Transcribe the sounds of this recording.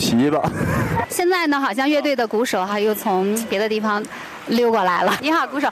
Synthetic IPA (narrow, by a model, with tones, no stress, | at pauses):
ɕi˧˥bɐ˨˧ɕjɛ˥˧nt͡sa˥˩ɪnə˩xɑ˨˩ʊɕ̬jɑ˥˧ŋɥɛ˥˧t̪̬we˥˩ɪd̪ə˩ku˧˥ʂo˨˩ʊxa˥˧jo˥˩ʊt͡sʰʊ˧˥ŋpjɛ˧˥d̪ə˧i˥˩fɑ˧ŋ | ljo˥˧ʊkɔ˥˩la˧˥ɪlə˧ni˧˥xɑ˨˩ʊku˧˥ʂo˨˩˦